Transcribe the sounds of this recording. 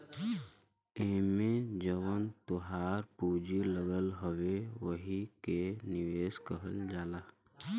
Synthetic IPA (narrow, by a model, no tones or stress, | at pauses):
ɪɦmẽd͡ʒəʋənt̪ʊɦaːɾpuːd͡ʒiləɡəlɦəweʋəɦikenɪʋeːskəɦə̰ld͡ʒaːlaː